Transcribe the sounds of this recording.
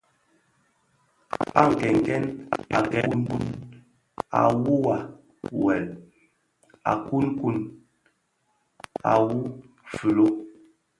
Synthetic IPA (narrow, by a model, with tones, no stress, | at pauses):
a˦˨ŋ̩˨kɛ˨ŋ˨kɛ˦na̰˨kɛ˨u˦n˦u˦n | a̰˨wu˦wa˨ | wɛ˨l | a̰˨ku˦nku˦n | a˨wu˦ | fʉ˨lo˦